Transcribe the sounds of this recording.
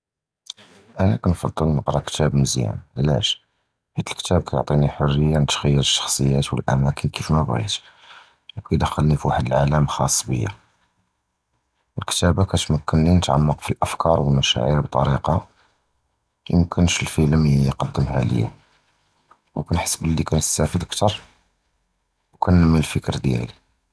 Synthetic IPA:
ʔænækɑnfɑd̪ˤːəlnəqɾˤɑkt̪ʰæbməzjæ̰nlæ̰ʃ | ħit̪əlkt̪æb̚kæjʊ̰ʕt̪ˤiniħorːəjːanət̪xæjːəɾəʃːɑ̥xsˤəjːæt̪wəlʔæmækənkifmæbɣḭt̪ | ʔæb̚kid̪əxːəlnifwaħəd̪əlʕaləmxɑsˤːbə̰jːa̰ | əlkt̪æbakæt̪məkːənlinət̪ʕɑ̰mːəqfilʔəfkɑɾˤwəlmæʃæ̰ʕiɾbt̪ˤɑ̰ɾiqɑ | jə̰mkʰənʃəlfələmjqɑd̪ːəmhæ̰lə̰jːa̰ | wkænħə̥sːbəlːikænəsːæfəd̪əkt̪ɑɾˤ | wkʰænəmːinəlfəkɾd̪jæ̰li

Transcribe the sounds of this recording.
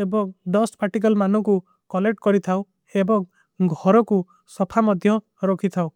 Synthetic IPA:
ebɔŋɖɔspʰaʈik̬ɔlmanɔku | kɔleʈkɔɾit̪ʰaw | ebɔŋ | ɡʱɔɾɔku | sɔpʰamɔd̪ʱjɔ | ɾɔkʰit̪ʰaw

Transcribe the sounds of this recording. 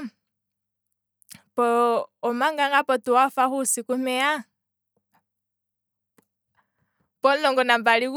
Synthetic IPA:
pɔːmaŋɡaŋɡapɔtuwafaxusikumɛa | pɔnɔŋɡɔnambaliku

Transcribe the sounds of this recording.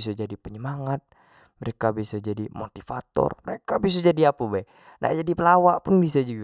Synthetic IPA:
s̬ad͡ʒadipəɲəmaŋat̪̚ | məɾekabisad͡ʒadimot̪ifa̰t̪ɔ̰rməɾekabis̬ad͡ʒadiapabaɛ | nʔa̰d͡ʒadipəlawaʔpʊnbis̬ad͡ʒuɡa

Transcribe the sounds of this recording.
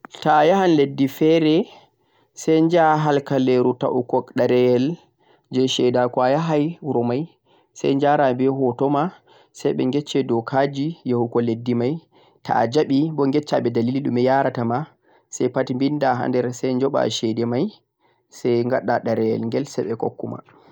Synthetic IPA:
tajahanledːifɛɾɛ | sɛjɲd͡ʒaɦalkaleɾuta̰ʔukɔkɗaɾɛjɛl | d͡ʒɛʃɛdakwajaɦajɾɔmaj | sa̰jɲd͡ʒaɾabɛɦɔtɔma | sajɓɛ̰ŋɡɛt͡ʃːɛdɔkʰad͡ʒijahukɔledːimaj | tʰa̰d͡ʒaɓibɔŋɡɛt͡ʃːaɓɛdaliliɗumɛjaɾatama | sɛjpatimbindaɦa̰ndɛɾsɛjɲd͡ʒɔɓa̰ʃɛdɛmaj | sɛjŋɡaɗːaɗaɾɛjɛ̰lŋɡɛlsɛjɓɛko̰kːṵma̰

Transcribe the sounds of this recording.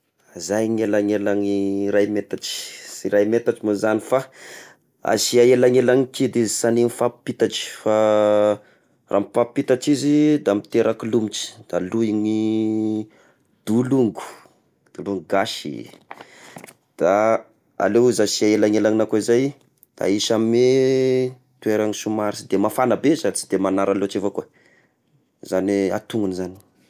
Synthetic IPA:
zajŋelaŋelaŋirajmet̪aʈ͡ʂi̥siɾajmet̪aʈ͡ʂimozanifa | a̰siaelaŋelaŋikid̪izisaninifapi̥pit̪aʈ͡ʂi̥fa | ra̰mipappːit̪aʈ͡ʂizid̪amit̪eɾakilumiʈ͡ʂi̥d̪̥aluiŋi | d̪̥uluŋɡu̥ | d̪̥uluŋɡuɡaʃḭ | d̪̥a | a̰lewizasiaelaŋelaŋinakuizaj | d̪̥a̰iʃame | t̪ueɾaŋisumaɾisid̪emafanəbezat͡sid̪emanaɾalot͡ʃefakuə | zania̰t̪uŋunizani̥

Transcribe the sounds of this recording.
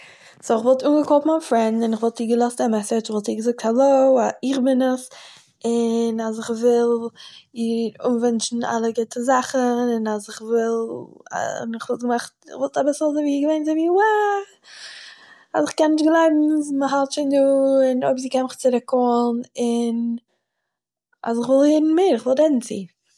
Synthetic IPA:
soɪχvɔlˠtuːnɡəkɔfmanfɾɛndɪnɪχvɔlˠtiːɡəlˠɔstamɛsətɪχvɔlˠtiːɡəzʊk̚thalˠoʊaɪχbɪnəs | ɪnasɪχvɪlˠiɾunvɛnt͡ʃn̩a̰lˠəɡɪtəzaχəɪnasɪχvɪl̰ˠ | nɪχvɔlˠtɡəmaχtɪχvɔlˠtabɪsəlˠzeviːɡəveɪnzaviːwa | a̰sɪχkɛnːɪʃtɡlˠaɪbm̩məɦalˠtt͡ʃɪnduːɪnoɪbz̬iːkɛnmɪχt͡sɪɾɪkːɔnɪn | a̰s̬ɪχvɪlˠjɪːdn̩mɪɾɪχvɔlˠtɛdn̩t͡sḭː

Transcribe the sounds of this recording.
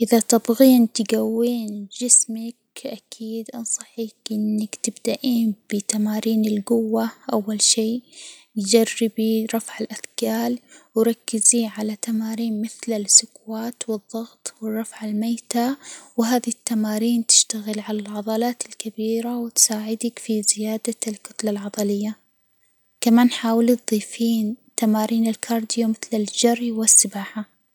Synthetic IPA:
ʔɪðat̪ɪbɣiːnt̪ɡawːiːnd͡ʒɪsmak̚ʔakʰiːd̪ʔɑnsˤɑħiːkʔɪnːakt̪ɪbd̪aʔiːnb̥ɪt̪amaːɾiːnɪlɡʊwːaʔawːalʃiː | jd͡ʒarːɪbiɾˤɑfʕɪlʔadkaːlwɾˤɑkːɪziʕalat̪amaːɾiːnmɪθlɪsʊkwaːt̪wɨðˤːɑɣt̪ˤwɪrˤːɑfʕɪlmajt̪awɦaːðit̪ːamaːɾiːnt̪ɪ̥ʃt̪aɣɪlʕalalʕɑðˤɑlɑːt̪ɪlkabiːɾawɪt̪saːʕɪd̪akfizɪjaːd̪alkʊt̪lalʕɑd̪ˤɑlɪjːa | kamaːnħaːwɪlit̪̚ˤðˤiːfiːnt̪amaːɾiːnɪlkʰɑːɾˤd̪ɪjamɪθlɪld͡ʒarˤːiwɪsːɪbaːħa

